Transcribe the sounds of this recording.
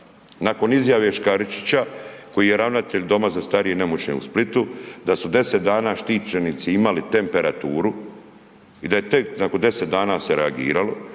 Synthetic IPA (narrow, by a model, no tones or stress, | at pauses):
nako̞nizjaʋe̞ʃkaɾit͡ʃi̥t͡ɕako̞jije̞ɾaʋnat̪eʎd̪o̞mazast̪aɾijene̞mot͡ɕɲḛṵsplit̪ud̪asud̪e̞se̞t̪̚d̪aːnaːʃt̪iːt͡ʃenit̪siimalit̪e̞mpe̞ɾat̪uːɾu | id̪aje̞t̪eknakond̪e̞se̞t̪̚d̪aːnaːseɾeaɡḭːɾalo̞